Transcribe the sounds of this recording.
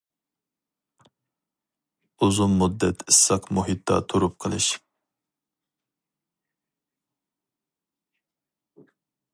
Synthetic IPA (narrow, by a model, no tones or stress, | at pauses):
uzummud̪ːɛt̪ʰɨsɑqmuɦit̪̚d̪ɑ̰t̪ʰuɾup̚qʰəlˠɨʃ